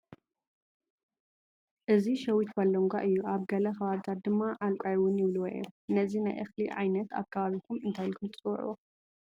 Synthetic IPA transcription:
ʔɨziʃɐwit̪balːoŋɡʷa̰ʔɨjːuʔaβɡɐlɐxɐβaβit̪ʰat̪̚d̪ɨmːaʔalkʷʼajwʊnjɪβluwɐʔɛnɐzinajʔɐxliʕa̰jnɐt̪ʰa̰kʰːɐβaβik̪ʰumɨnt̪ʰajlɨkʰumt͡sʼɨw̰ʕ̰o

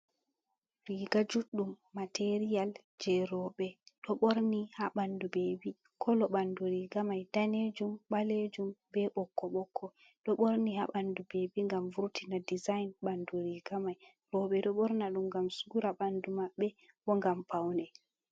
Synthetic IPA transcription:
ɾiɡad͡ʒuɗːumːateɾijal | d͡ʒɛɾɔɓɛɗɔɓoɾnihaɓandubebi | kʰɔlɔɓanduɾiɡamajd̥aned͡ʒumɓaled͡ʒumbɛɓɔkʰːɔɓɔkʰːɔ | ɗɔɓoɾniha̰ɓandubebiŋɡamvuɾtʰinadizajnɓanduɾiɡamaj | ɾɔɓɛɗɔɓɔɾnaɗumɡamsuɡuɾaɓandumaɓːɛ | ɓɔŋɡampʰawnɛ

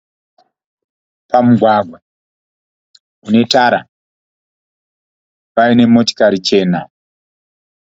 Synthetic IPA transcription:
pamuɡʱwaɡʱwa | une̞taɾa | paine̞mo̞ti̥kaɾit͡ʃe̞ːna

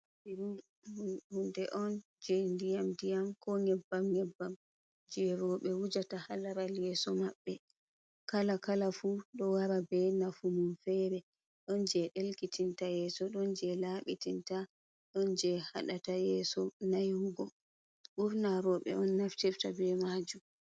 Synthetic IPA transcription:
iu | hundɛʔɔn | d͡ʒɛndijamdijamkɔŋɛbːamŋɛbːam | d͡ʒɛɾɔɓɛwud͡ʒatahalaɾaljɛsɔmaɓːɛ | kalakalafuɗɔwaɾabɛnafumumfɛɾɛ | ɗɔnd͡ʒɛɗelkitʰintajɛːsɔɗɔnd͡ʒɛlaɓitinta | ɗɔnd͡ʒɛha̰ɗatajɛsɔnajhuɡɔ | ɓuɾnaɾɔɓɛ̰ɔnːaftiftabɛmad͡ʒum

